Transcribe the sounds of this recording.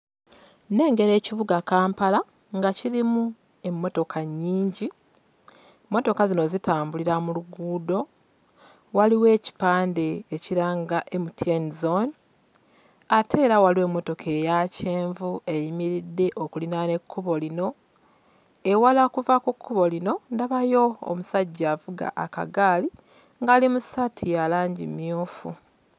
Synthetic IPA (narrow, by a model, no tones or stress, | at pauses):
ne̞ːŋɡe̞ɾe̞ːciβuɡakaːmpala | ŋɡaciɾimu | e̞mːo̞to̞kʰaɲːiːɲɟi | mːo̞to̞kazino̞zitaːmbuliɾamuluɡuːdo̞ | waliwe̞ːci̥paːnde̞ːciɾaːŋɡaʔe̞mutienzon | ate̞ːɾawaliwe̞ːmːo̞to̞kʰe̞jace̞ːɱvue̞jimiɾidːe̞ʔokulinane̞kʰːuβo̞lino̞ | ewalakuvakukʰːuβo̞lino̞ndaβajo̞o̰musaɟːaːvuɡa̰ʔaka̰ɡaːli | ŋɡaːlimusatʰijalaːɲɟḭmjuːfu